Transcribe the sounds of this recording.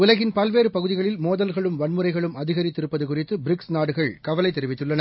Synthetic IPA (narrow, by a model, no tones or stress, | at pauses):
ʊlɐɣɪnpɐlʋeːɾɯpɐɣɯðɪɣɐɭɪlmoːðɐlɣɐɭɯmʋɐɳmɯrɐɪɣɐɭɯmɐðɪɣɐɾɪt̪ːɪɾɯpːɐðɯkʊrɪt̪ːɯbɪɾɪksnaːɽɯɣɐɭkɐʋɐlɐɪt̪ːɛɾɪʋɪt̪ːɯɭːɐnɐ